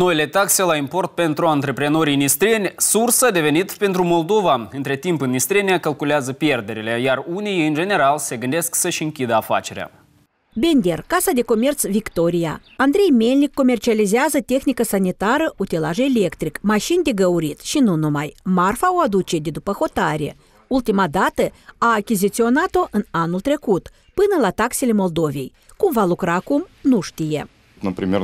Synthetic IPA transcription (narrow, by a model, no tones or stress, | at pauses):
no̞ile̞t̪akse̞laimpo̞rt̪̚pe̞nt̪ɾuant̪ɾe̞pɾeno̞ɾʲinist̪ɾʲienʲsursad̪e̞ve̞nit̪pe̞nt̪ɾumo̞ld̪o̞vaɨnt̪ɾe̞t̪impɨnːist̪ɾʲie̞nʲeakalkuleazəpje̞rd̪e̞ɾile̞jarunijɨnd͡ʒe̞ne̞ɾalse̞ɡɨnd̪e̞sksəʃʲɨŋkʲid̪əafa̰t͡ʃe̞ɾea̰ | be̞nd̪ʲerkasad̪e̞ko̞mʲe̞rt̪svʲikt̪o̞ɾʲija̰ | and̪ɾe̞jme̞lʲnʲikːo̞mʲe̞rt͡ʃializiazət̪ʲe̞xnikəsanit̪aɾəʔut̪elaʒeele̞kt̪ɾikmaʃind̪e̞ɡəwɾit̪ʃinunumajmarfaoad̪ut͡ʃe̞d̪e̞d̪upəxo̞t̪aɾʲe̞̰ | ult̪imad̪at̪əaːkʲizit̪sio̞nat̪o̞ʔɨnanult̪ɾe̞kut̪ | pɨnəlat̪akse̞le̞mo̞ld̪o̞vʲe̞̰j | kumvalukɾaːkumnuʃt̪ijḛ | t̪ɨnpɾʲimʲe